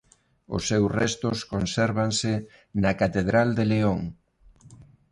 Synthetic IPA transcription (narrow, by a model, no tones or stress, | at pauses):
ʊ̰sːewrɛst̪ʊskonsɛɾβaŋsɪ | nɐkat̪eðɾald̪eleoŋ